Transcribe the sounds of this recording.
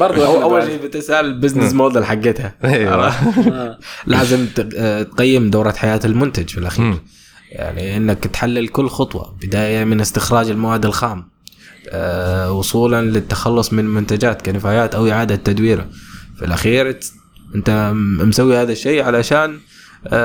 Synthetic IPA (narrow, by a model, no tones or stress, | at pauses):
bɑɾˤaʔawːalʃeːbɪt̪ɪsalɪbɪznɪsmoːd̪ˤɪlħaɡːɪt̪ha | laːzɪmt̪qajːɪmd̪aːɾˤɑt̪ħajaːt̪ɪlmʊnt̪ad͡ʒfilʔaxiːɾ | ja̰ʕniʔɪnːakt̪ħalːɪlkʊlːxʊt̪ˤwɑ̰bɪd̪aːjamɪnɪst̪ɪxɾˤɑːd͡ʒɪlmawaːd̪ːɪlxaːm | wʊsˤuːlanlɪt̪ːḁxɑlːʊsˤmɪnmʊnt̪ad͡ʒaːt̪kanɪfaːjaːt̪ʔawʔɪʕaːd̪at̪ːad̪wiːɾa̰fḭlʔaxiːɾ | ʔɪnt̪amsawːihaːðaʃːeːʕalaʃaːn